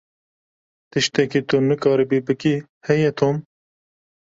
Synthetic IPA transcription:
t̪ɨʃt̪ɛkit̪unɨkɑːɾibibɨki | hɛjɛt̪ʰoːm

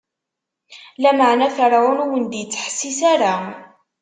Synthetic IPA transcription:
læməʕnæθəɾˤɾʊnwənd̪jət͡sːə̥ħsːisaɾa

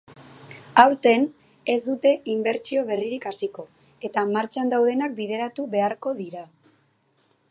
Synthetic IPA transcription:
awɾt̪e̞n | e̞zd̪ut̪e̞imbe̞ɾt͡ʃio̞β̞e̞riɾikasiko̞ | e̞t̪amaɾt͡ʃand̪awðe̞nak̚bið̞e̞ɾat̪uβe̞aɾko̞ðiɾa

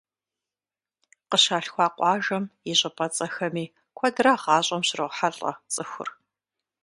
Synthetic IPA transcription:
qəɕaːɬxʷɑːqʷɑːʒɐmjɪɕʼɪpʼɐt͡sʼɐxɐmiː | kʷʰɔdraːʁɑːɕʼɐmɕɪrɨʁʷħaɬʼɐ̰t͡sʼɨxʷʊ̰r

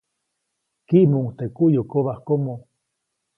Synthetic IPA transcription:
kiʔmuŋt̪ekuʔjokoβahkomo

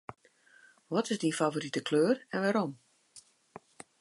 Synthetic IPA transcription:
ʋɔtɪzdinfavoɾitəkʰløːrɛnʋaɾɔm

